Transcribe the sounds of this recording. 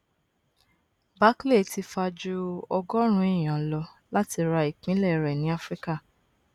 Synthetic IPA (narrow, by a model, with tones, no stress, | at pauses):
ba˦kle˦˨ti˧fa˧d͡ʒu˧ɔ˧ɡɔ˦ɾ̃ũ˧˦i˦˨j̃ã˨lɔ˧ | la˦ti˧ɾa˧i˨k͡pĩ˨˦lɛ˦˨ɾɛ˨nĩ˨˦a˦fɾi˦ka˦˨